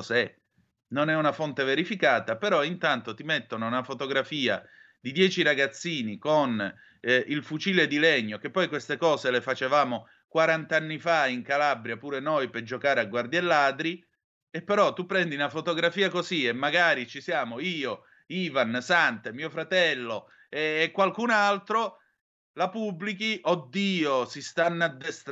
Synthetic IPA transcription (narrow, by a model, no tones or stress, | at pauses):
sɛ | nonɛunafont̪eveɾifikaːt̪apeɾɔint̪ant̪ot̪imet̪ːonounafot̪oɡɾafiːa̰ | d̪id̪jɛːt͡ʃiɾaɡat̪sːiːnikon | ilfut͡ʃiːled̪ilɛɲːok̟epːɔjkwest̪ekɔːzelefat͡ʃevaːmo | kwaɾant̪anːifaiŋkalabɾjapuːɾenojped͡ʒokaːɾeaɡward̪jelːaːd̪ɾi | epːeɾɔt̪ːupːɾɛnd̪iunafot̪oɡɾafiːakoziemːaɡaːɾit͡ʃisjaːmoiːo | iːvansant̪emiːofɾat̪ɛlːo | eːkːwalkunalt̪ɾo | lapubːlikiʔod̪ːiːosist̪anːad̪ːest̪